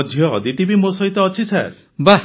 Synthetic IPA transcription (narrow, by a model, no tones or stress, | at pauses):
dʱjɔd̪iʈ̪ibimosɔɦit̪ɔːt͡ʃʰisaɾ | ba